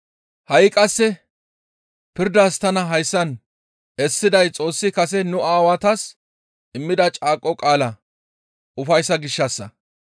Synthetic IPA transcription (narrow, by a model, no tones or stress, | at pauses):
hɐjkʼɐsːɛ | pɪɾd̪aːst̪ɐnɐɦɐjsːɐn | ɛsːɪd̪ɐjt͡sʼo̞ːsːɪkɐs̬ɛnʊaːwɐt̪ɐs | ʔɪmːɪd̪ɐt͡ʃʼaːkʼːɔkʼaːlɐ | ʔʊfɐjsːɐɡɪʃːɐsːɐ